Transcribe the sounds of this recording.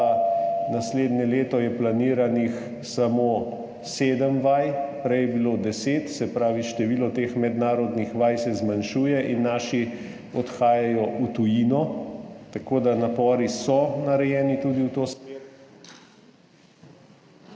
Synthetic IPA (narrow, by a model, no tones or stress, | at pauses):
nasleːd̪nʲɛleːt̪ɔjɛplaniːɾanix | samoː | seːd̪əmʋajpɾɛjɛbiloːd̪ɛseːt̪sɛpɾaːʋiʃt̪ɛʋiːlɔt̪eːxmɛd̪naːɾɔd̪nixʋajsɛzmanʃuːjɛʔinːaːʃi | ɔt̪xaːjajɔʔut̪ujiːnɔt̪akoːd̪anapɔːɾisɔnaɾɛjɛːnit̪uːd̪iwt̪ose